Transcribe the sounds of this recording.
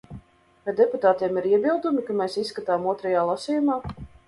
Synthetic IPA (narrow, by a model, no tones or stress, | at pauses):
vajd̪eput̪aːt̪iɛmiɾiɛbilˠd̪umikameːsisːkat̪aːmuɔt̪ɾɛjaːlˠasʲiːjumaː